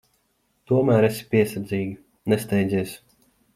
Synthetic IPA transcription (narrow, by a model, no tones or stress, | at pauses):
t̪uɔmæːɾesi̥pʲiɛsaɾd̪zʲiːɡʲi | nɛst̪ɛjd̪zʲiɛs